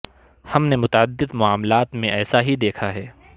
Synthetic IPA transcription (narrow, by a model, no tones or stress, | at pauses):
hɐmnemʊt̪aəd̪ːɪd̪mʊaːmlaːt̪mẽɛːsaɦid̪eːkʰaɦɛː